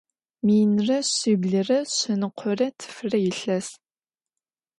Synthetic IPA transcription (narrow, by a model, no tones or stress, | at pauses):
miːnrɐɕiːbɮɨrɐɕɪnɨqʷʰɔrɐtʰɨ̥fɨrɐjɪɬɐs